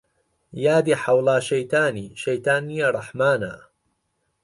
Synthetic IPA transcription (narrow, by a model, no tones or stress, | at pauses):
jaːd̪iːħawlɑːʃɐjt̪aːniːʃɐjt̪aːnːijɐrˤɑħmaːna̰